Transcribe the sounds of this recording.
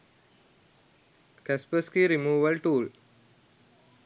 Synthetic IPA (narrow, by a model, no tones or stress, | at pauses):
kɛspəskiɾimuːʋəlʈuːl